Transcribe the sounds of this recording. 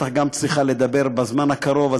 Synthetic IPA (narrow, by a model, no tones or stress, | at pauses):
aχɡamt͡sʁiχaled̪abe̞ʁbazmanhakaɾo̞va